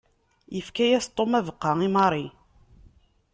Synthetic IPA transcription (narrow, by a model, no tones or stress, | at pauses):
jəfkæjæst̪ˤːomævəqːɑŋimɑɾˤi